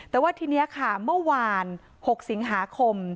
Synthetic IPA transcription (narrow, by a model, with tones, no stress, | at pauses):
t̪ɛː˨˩waː˥˩t̪ʰiː˧ni˦˥ɐkʰa˥˩mɯ˥˩ɐwaː˧n | ho˨˩k̚si˨˩˦ŋɦaː˩˦kʰo˧m